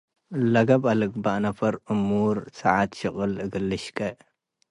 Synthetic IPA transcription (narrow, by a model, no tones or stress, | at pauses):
lɐɡɐbalɨɡ̚baʔnɐfɐɾʔɨmːuɾsɐʕat̪ʃɨχʼɨlɨɡɨlːɨʃkʰʼɐʔ